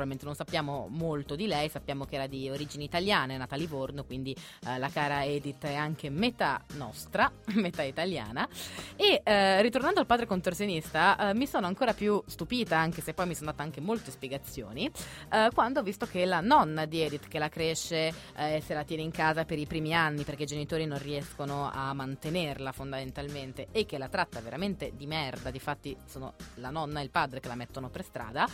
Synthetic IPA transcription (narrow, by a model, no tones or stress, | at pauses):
pɾviment̪enõnsapːjaːmo̰molt̪od̪ilɛjsapːjaːmok̟eɛːɾad̪ioɾiːd͡ʒineit̪aljaːnenat̪alivornokwind̪i | lakaːɾaɛːd̪it̪ːɛaŋk̟emet̪a̰nɔ̰st̪ɾamet̪ait̪alja̰ːnaerːit̪ornand̪oalpaːd̪ɾekont̪orsjonist̪amisoːnoaŋkoːɾapjust̪upiːt̪aaŋkesepːɔjmisoːnd̪at̪aaŋkemolt̪espjeɡat̪sːjo̰ːni | kwand̪ovist̪ok̟elanɔnːad̪iɛːd̪it̪k̟elakɾeʃːe | eselat̪jɛːneiŋkaːzapeɾipɾiːmianːiperk̟eid͡ʒenit̪oːɾinonriɛskonoa̰mːant̪enerlafond̪ament̪alment̪eːkːelat̪ɾat̪ːaveɾament̪ed̪imɛrd̪ad̪ifat̪ːisoːno̰lanɔnːaeilpaːd̪ɾekelamɛt̪ːonoperst̪ɾa̰ːd̪a